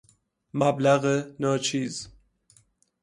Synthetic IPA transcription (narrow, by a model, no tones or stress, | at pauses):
mablæɣenɒːt͡ʃʰiːz